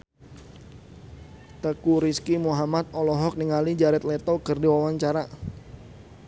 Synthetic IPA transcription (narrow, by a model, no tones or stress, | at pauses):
t̪əkuɾiskimuɦamat̪̚ɔlɔɦɔk̚niŋalid͡ʒaɾɛt̪̚lɛt̪okərdiwawaɲt͡ʃaɾa